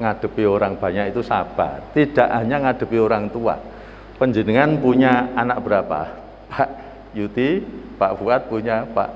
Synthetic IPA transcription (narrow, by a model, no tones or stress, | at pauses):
ŋad̥ə̤pioɾaŋb̥a̤ɲaʔit̪usab̥at̪id̥a̤ʔɦaɲaŋad̥ə̤pioɾaŋt̪ua̰ | pəɲd͡ʒənəŋanpuɲaːnak̚b̥əɾapa̰ | paʔ | jut̪ipaʔfuat̪̚puɲapa̰ʔ